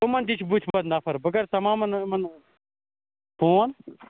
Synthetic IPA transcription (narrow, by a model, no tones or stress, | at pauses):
omɐnd̪it͡ʃʰbut̪ʰbɐd̪naːpʰɐɾbəɡɐɾt̪ɐmaːmɐnmɐn | poːn